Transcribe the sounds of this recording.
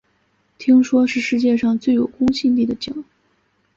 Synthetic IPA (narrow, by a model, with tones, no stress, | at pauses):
t̪ʰi˥ŋʂwɔ˥ʂɻ̩˥˧ʂɻ̩˥˧t͡ɕjɛ˥˧ʂɑ˥˧ŋt͡swe˥˩ɪjo˨˩ʊkʊ˥ŋɕi˥˧nt̪i˥˩d̪ə˩t͡ɕi˨˩˦ŋ